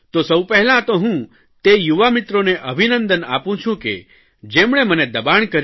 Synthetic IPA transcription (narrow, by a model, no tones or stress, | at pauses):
t̪osəwpəɦɛlãt̪oɦũ | t̪ejuʋamit̪ɾoneʔəbʱinənd̪əna̰pũt͡ʃʰũkḛ | d͡ʒemɳ̃eməned̪əbaɳkəɾ